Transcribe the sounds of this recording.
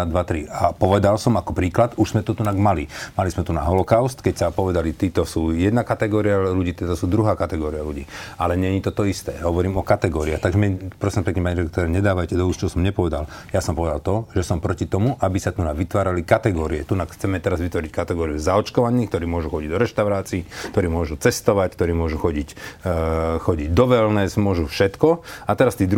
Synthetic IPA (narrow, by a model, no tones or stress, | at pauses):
ad̪ʋat̪ɾiapɔʋɛd̪alsɔmakɔpɾiːklat̪uʒz̥mɛt̪ut̪unaɡmalimalizmɛt̪unaɦɔlɔkaʊst̪kɛcsapɔʋɛd̪alit̪iːt̪ɔsuːjɛd̪nakat̪ɛɡɔːɾialuɟiːt̪ɛt̪ɔsuːd̪ɾuɦaːkat̪ɛɡɔːɾialuɟiːalɛɲɛɲit̪ɔt̪ɔist̪ɛ̰ːɦɔʋɔɾiːmɔkat̪ɛɡɔːɾiaxt̪aɡʒɛmɛpɾɔsiːmpɛkɲɛmaɲiɾɛk̚t̪ɔɾɛːɲɛd̪aːʋajcɛd̪ɔust͡ʃɔsɔmɲɛpɔʋɛd̪al | jasɔmpɔʋɛd̪alt̪ɔʒɛsɔmpɾɔcit̪ɔmuʔabisat̪unaʋit̪ʋaːɾalikat̪ɛɡɔːɾiɛt̪unaxt͡sɛmɛt̪ɛɾazʋit̪ʋɔɾickat̪ɛɡɔːɾiuzaɔt͡ʃkɔʋaniːxk̚t̪ɔɾiːmʊɔʒuxɔɟiɟd̪ɔɾɛʃt̪aʊɾaːt͡siːkt̪ɔɾiːmʊɔʒut͡sɛst̪ɔʋack̚t̪ɔɾiːmʊɔʒuxɔɟicː | xɔɟiɟd̪ɔʋɛlnɛːsmʊɔʒufʃɛt̪kɔat̪ɛɾast̪iːd̪ɾ